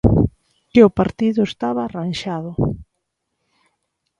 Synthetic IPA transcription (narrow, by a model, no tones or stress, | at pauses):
ɪʊpaɾt̪iðʊest̪aβaːranʃaðʊ